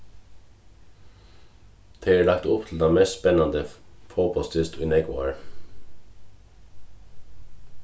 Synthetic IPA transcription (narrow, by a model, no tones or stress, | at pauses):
d̪̥ʰeːeːɭɑkt̪ʊpt̪ʰl̩d̪ɑːmesspɛnɑnd̪əfoːpʰɔst̪ʰʏst̪ʏnɛɡʊɑ̰ɹ